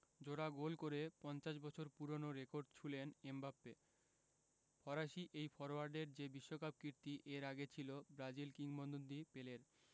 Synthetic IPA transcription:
d͡ʑoɽaɡolkoɾepɔnt͡ɕaʃbɔt͡ɕʰoɾpuɾonoɾekoɾɖ̚t͡ɕʰulenembapːe | pʰɔɾaʃiʔejfʰɔɾoaɾɖeɾd͡ʑebiʃːokapb̚kiɾt̪iʔeɾaɡet͡ɕʰilobɾad͡ʑilkiŋbɔnd̪ond̪ipeleɾ

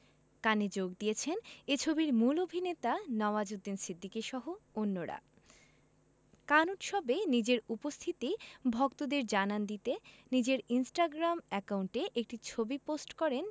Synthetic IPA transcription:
kaned͡ʑoɡ̚d̪ijet͡ɕʰenet͡ɕʰobiɾmulobʱinet̪anɔbad͡ʑod̪ːinsid̪ʱːikiʃɔɦoonːoɾa̰ | kanuʈ̪ʃɔbenid͡ʑeɾupost̪ʰit̪ibʱɔkt̪od̪eɾd͡ʑanand̪it̪enid͡ʑeɾinsʈaɡɾamɛkauɳʈeʔek̚ʈit͡ɕʰobiposʈkɔɾen

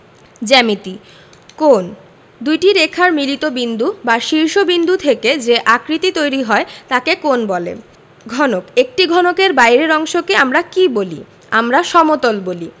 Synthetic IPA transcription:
d͡ʑɛmit̪i | kon | d̪ujʈiɾekʰaɾmilit̪obind̪ubaʃiɾʃobind̪ʱut̪ʰeked͡ʑeʔakɾit̪it̪ojɾiɦɔet̪akekonbɔlḛ | ɡʱɔnokek̚ʈiɡʱɔnokeɾbajɾeɾɔŋʃokeamɾakibolḭ | amɾaʃɔmot̪olboli

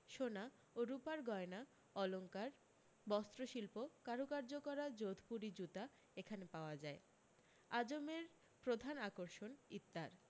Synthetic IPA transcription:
ʃona | oɾupaɾɡɔena | ɔloŋkaɾ | bɔst̪ɾoʃilpokaɾokaɾd͡ʑokɔɾad͡ʑod̪ʱpuɾid͡ʑut̪a | ekʰanepaoad͡ʑae | ad͡ʑomeɾ | pɾod̪ʱanakoɾʃonit̪ːaɾ

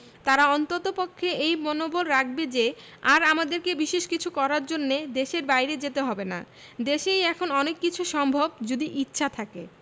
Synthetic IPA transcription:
t̪aɾaɔnt̪ot̪opokʰːeʔejmonobolɾak̚ʰbed͡ʑe | aɾamad̪eɾkebiʃeʃkit͡ɕʰukɔɾaɾd͡ʑonːed̪eʃeɾbajɾed͡ʑet̪eɦɔbena̰ | d̪eʃejɛkʰonɔnekːit͡ɕʰuʃɔmbʱob̚d͡ʑud̪iʔitːɕʰat̪ʰake

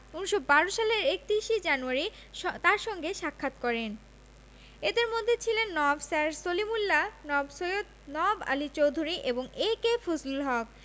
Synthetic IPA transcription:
uniʃobaɾoʃaleɾek̚t̪ɾiʃid͡ʑanuaɾi | t̪aɾʃɔŋɡeʃakʰːat̪kɔɾen | ed̪eɾmod̪ʱːet͡ɕʰilenːɔbsaɾsolimulːanɔbsojot̪ | nɔba̰lit͡ɕowd̪ʱuɾiʔeboŋekefʰoslulɦɔk̚

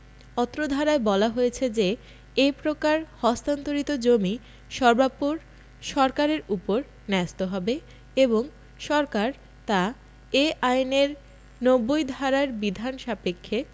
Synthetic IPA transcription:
ɔt̪ːɾod̪ʱaɾaebɔlaɦojet͡ɕʰed͡ʑe | epɾokaɾhɔst̪ant̪oɾit̪od͡ʑomi | ʃɔɾbapoɾ | ʃɔɾkaɾeɾupoɾ | nɛst̪oɦɔbe | eboŋ | ʃɔɾkaɾ | t̪a | eajneɾ | nobːojd̪ʱaɾaɾbid̪ʱanʃapekʰːe

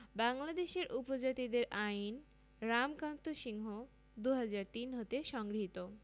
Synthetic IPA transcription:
baŋlad̪eʃeɾʔupod͡ʑat̪id̪eɾʔain | ɾamkant̪oʃiŋɦo | d̪uɦad͡ʑaɾt̪inɦot̪eʃɔŋɡɾiɦit̪o

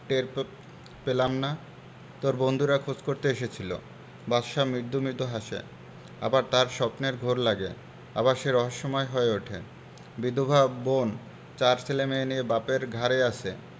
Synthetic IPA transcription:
ʈeɾ | pelamna | t̪oɾbond̪ʱuɾakʰud͡ʑkoɾt̪eeʃet͡ɕʰilo̰ | baʃamɾiɾd̪ʱumiɾd̪ʱuɦaʃḛ | a̰baɾt̪aɾʃɔpneɾɡʱoɾlaɡḛ | a̰baɾʃeɾɔɦoʃːɔmɔeɦoeoʈʰe | bid̪ʱobʱabon | t͡ɕaɾsʰelemeenijebapeɾɡʱaɾeat͡ɕʰe

